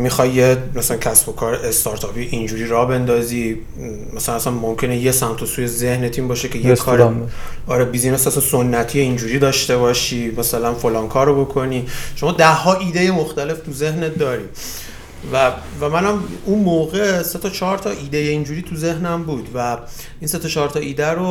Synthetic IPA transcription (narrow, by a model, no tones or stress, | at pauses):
mixɒjːemæsælæncʰæsbo̞kʰɒːɾeʔest̪ɒːɾt̪ʰɒːpʰijʔind͡ʒuːɾiːɾɒːbe̞nd̪ɒːzi | mæsælænæsænmomcʰe̞nejesæmt̪ʰosuːjeze̞hnet̪ʰimbɒːʃecʰe̞jekʰːɒːɾ | ɒːɾebiːzinesæsɑso̞nːæt̪ʰijeind͡ʒuːɾiːd̪ɒːʃt̪e̞βɒːʃiːmæsælænfo̞lɒːnkʰɒːɾobo̞kʰo̞niʃo̞mɒːd̪æhːɒːʔiːd̪e̞je̞moxt̪æle̞ft̪ʰuze̞ɦnet̚d̪ɒːɾi | væ | væmænæmunmoːɣese̞t̪ʰɒt͡ʃʰɒːɾt̪ʰɒʔiːd̪ejeind͡ʒuːɾiːt̪ʰuze̞hnæmbuːd̪væ | iːnse̞t̪ɒːt͡ʃʰɒːɾt̪ʰɒːʔiːd̪æɾo